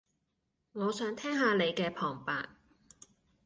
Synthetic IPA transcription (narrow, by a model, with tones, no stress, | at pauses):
ŋɔː˨˧sœː˨˥ŋt̪ʰɛː˥ŋɦaː˨˧le˨˧jkɛː˧pʰɔː˨˩ŋpaː˨˧t̚